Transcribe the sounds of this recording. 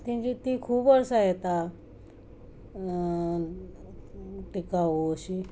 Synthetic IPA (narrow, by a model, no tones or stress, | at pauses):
t̪ĩd͡ʑit̪ikʰuːbəɾsaɦet̪a | ʈikaʋoɕi